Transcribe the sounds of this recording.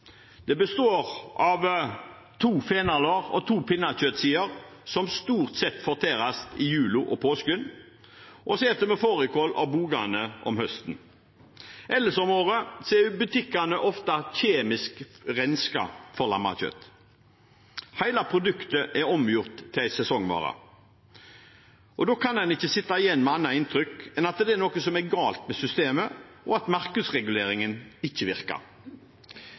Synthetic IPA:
d̪ɛbəst̪oːʁʔɑʋ | t̪ʰuːfeːnɑloːʁɔ̰t̪ʰuːpʰɪnːɑçœt̪siːəʁsɔmst̪uːʁt̪sɛt̪ːfɔʁt̪ʰeːʁɑst̪ɪjʉːlʊʔɔpʰoːskʉn | ʔɔsɛːt̪əmɛfoːʁəkʰoːlɑ̰ʋbuːɡɑnəʔɔ̰mhœst̪n̩ | ʔɛlːəsɔmoːʁəsɔɛbʉt̪ʰɪkːɑnəʔɔft̪ɑçeːmɪskʁɛnskɑ̰fɔʁlɑ̰mːɑ̰c͡çœ̰t̪ | hæɪlɑpʰʁʊd̪ʉkt̪əʔɛɾɔmjʊʁt̪ʰːɪlæɪsɛsɔŋːʋɑ̰ːʁɑ̰ | ʔɔd̪oːkʰɑnd̪ɛnɪçːəsɪt̪ːɑɪjɛnːmɛɑnːɑɪnt̪ʰɾʏkɛnɑt̪d̪ɛɛɾnoːkəsɔmɛɡɑːlt̪mɛsʏst̪eːmə | ɔɑt̪mɑʁkəd̪sʁɛɡʉleːɾɪŋənɪçːəʋɪɾkɑ̰ɾ

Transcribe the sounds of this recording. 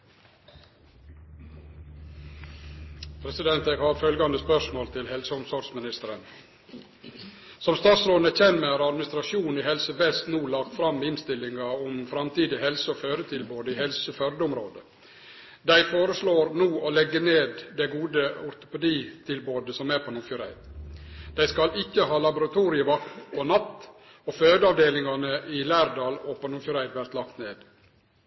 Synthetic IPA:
pʰɾɛsɪd̪ɛnt̪eːɡhɑːɾfœlɡɑnd̪əspœʂmoːlt̪ʰɪlhɛlsəʊmsɔɖsmɪnɪst̪əɾən | sɔmst̪ɑːt̪sɾoːd̪n̩əc͡çɛnmæɪhɑɾɑd̪mɪnɪst̪ɾɑʃuːnn̩iːhɛlsəʋɛst̪nuːlɑk̚t̪fɾɑmːɪnst̪ɪlɪŋɑʊmfɾɑmt̪ʰiːd̪ɪhɛlsəoføːɾət̪ʰɪlboːd̪əiːhɛlsəfœɾd̪əʊmɾoːd̪ə | d̪æɪfoːɾəsloːɾnuːʔɔlɛɡːəneːd̪d̪æɡuːd̪əɔɾt̪ʊ̥pɛd̪iːt̪ʰɪlboːd̪əsɔmæɾpʰonʊfʊɾæ̰ɪd̪d̪̥æɪskɑlɪkːəɦɑːlɑbʊɾɑt̪ʰuːɾɪəʋɑkt̪pʰɔnɑt̪ː | ɔføːd̪əɑʋd̪eːlɪŋɑnəʔɪlæːɾd̪ɑːlɔponʊfjʊɾæɪd̪ʋæɾt̪lɑkt̪neːd̪

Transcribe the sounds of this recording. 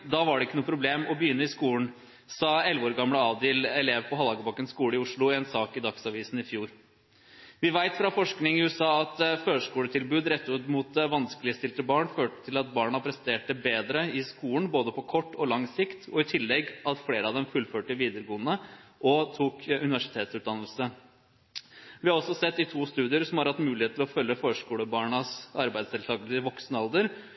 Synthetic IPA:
d̪ɑʋɑɖɛɪkːənuːpʰɾʊbleːmɔbəjʏnːəɪskuːn̩ | sɑɛlʋəoːɾɡɑmləɑːʋd̪eːlɛleːʋpʰɔɦɑlhɑːɡəbɑkːənskuːləɪʊʂɭʊɛnsɑːkɪd̪ɑksɑʋiːsn̩ɪfjuːɾ | ʋɪʋæɪt̪fɾɑfɔʂknɪŋɪʉːɛsɑːɑt̪føːʂkuːlət̪ʰɪlbʉːd̪ɾɛt̪ːʉt̪mʊt̪̚ʋɑnskəlɪəst̪ɪlt̪əbɑːɳføːʈə̥t̪ʰɪlɑt̪bɑːɳɑpʰɾɛsənt̪ʰeːʈ̚əbeːd̪ɾəɪskuːlən̩boːd̪əpʰɔkʰɔʈːɔlɑŋsɪkt̪ʰɔɪt̪ʰɪlːɛɡɑt̪fleːɾəɑʋd̪ɛmfʉlføːʈəʋiːd̪əɾɡoːənəʔɔt̪ʰuːkʉnɪʋæʂɪ̥t̪ʰeːt̪sʉt̪̚d̪ɑnːəlsə | ʋɪhɑɾɔsɔsɛt̪ːɪt̪ʰuːst̪ʉːd̪ɪəɾsɔmhɑɾhɑt̪ːmʉːlɪhet̪lɔfœlːəføːʂkuːləbɑːɳɑsɑɾbæɪd̪sɛlt̪ʰɑːɡəlsɪʋɔksnəɑlˠd̪əɾ

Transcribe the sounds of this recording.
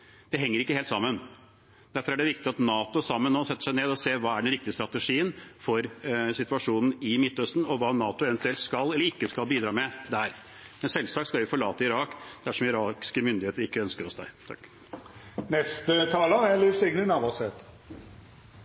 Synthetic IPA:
d̪̥ɛɦɛŋːəɾɪkːəheːlt̪sɑmːən | d̪æɾfɔɾæɖɛʋɪkt̪ɪɑt̪nɑːt̪ʊsɑmːənːoːsɛt̪ːə̥ʂæɪneːd̪ɔseːʋɑːæɖɛnɾɪk̚t̪ɪəst̪ɾɑt̪əʂiːənfɔɾsɪt̪ʉɑʂuːnn̩ɪmɪt̪ːœst̪n̩ɔʋɑːnɑːt̪ʊɛʋɛnt̪ʉɛlt̪skɑlːɛlːəɾɪkːəskɑlbiːd̪ɾɑːmɛt̪d̪æɾ | mɛnsɛlsɑːkt̪skɑlʋɪfɔɭɑːt̪əɪɾɑːkd̪̥æʂɔmɪɾɑːkɪ̥skəmʏnd̪ɪheːt̪əɾɪkːəœnskəɾɔsd̪æɪt̪ʰɑ̰kː | nɛst̪ət̪ʰɑːləɾælyːfsɪɡnənɑʋɑsɛt̪

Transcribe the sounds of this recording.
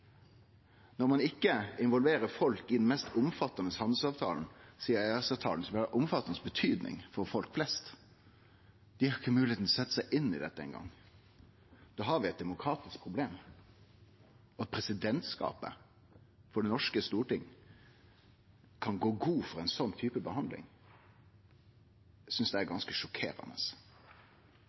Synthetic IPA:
nɔɾmɑnɪkːəɪnʋɔlʋeːɾəɾfɔlkɪd̪ɛnmɛst̪ʊmfɑt̪ːɑnəshɑnd̪l̩sɑːʋt̪ʰɑ̰ːln̩siːəɾæɑsɑt̪ʰɑ̰ːln̩sɔʋɪhɑɛʔʊmfɑt̪ːɑnəsbət̪ʰyːd̪nɪ̰ŋfɔɾfɔlkflɛst̪ | d̪̥ɪhɑɾɪçːəmʉːɪeːt̪n̩ɔsɛt̪ːə̥sæɪʔɪnːɪd̪ɛt̪ːəɛ̰nɡɑ̰ŋː | d̪̥oːɦɑɾʋɪɛt̪̚d̪ɛmʊkʰɾɑːt̪ɪsk̚pʰɾʊbleːm | ɔɑt̪̚pʰɾɛsɪd̪ɛnt̪skɑ̰ːpə̰ | fɔɖɛnɔʂkəst̪uːʈɪŋː | kʰɑnɡoːɡuːfɔɾɛɪnsɔnːt̪ʰyːpəbəhɑnd̪lɪ̰ŋ | sʏnsd̪ɛæɾɡɑnskəʂɔkʰḛːɾɑ̰nə̰s

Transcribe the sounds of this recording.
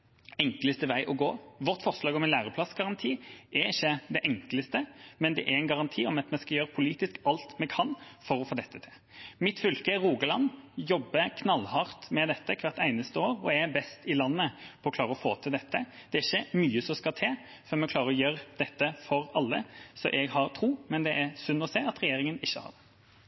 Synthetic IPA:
ɛŋkləst̪əʋæɪʔɔɡoːʋɔɾt̪fɔʁʂlɑːɡɔmɪnlæːʁəpʰlɑsɡɑʁɑnt̪ʰiːʔɛɾɪçːəd̪ɛʔɛŋkləst̪əmɛnd̪ɛ̰ʔɛɛɪnɡɑʁɑnt̪ʰiːɔmɑt̪mɛskɑljøːɾəpʰʊliːt̪ɪskɑlt̪mɛkʰɑnfɔɾɔfoːd̪ɛt̪ːət̪ʰɪl | mɪt̪fʏlkəʁuːɡəlɑnjɔbːəkʰnɑlːhɑɾt̪mɛd̪ɛt̪ːəkʰʋɑʁt̪æɪnəst̪əoːɾɔɛbɛst̪ɪlɑnːəpʰɔɔklɑːɾəɔfoːt̪ʰɪld̪ɛt̪ʰːəd̪̥ɛæɾɪçːəmyːəsɔmskɑt̪ʰeː | fœɾmɛkʰlɑːɾəɾɔjøːɾd̪ɛt̪ːəfɔɾɑlːəsɔʔɛɡhɑɾt̪ʰɾuːmɛnd̪ɛʔæɾsʉnːɔseːɑt̪ɾɛjeːɾɪŋənɪçːəhɑ̰d

